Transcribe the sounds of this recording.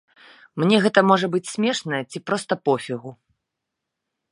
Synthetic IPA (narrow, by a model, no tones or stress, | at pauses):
mnʲɛɣɛt̪ɐmɔʐɐbɨt͡sʲsʲmʲɛʂnɐjɛɐt͡sʲipɾɔst̪ɐpɔfʲiɣu